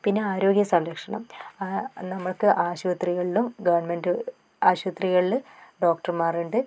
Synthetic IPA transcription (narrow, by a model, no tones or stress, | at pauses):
pinːe̞aːɾo̞ːɡjɐsɐmɾɐkʂɐɳɐ̰m | nɐmːɐɭkɨʔaːɕuʋɐt̪riɣɐɭilumɡɐʋɐrɳmenɖɨ | aːɕuʋɐt̪riɣɐɭilɖo̞ːk̚ʈɐrmaːreɳɖɨ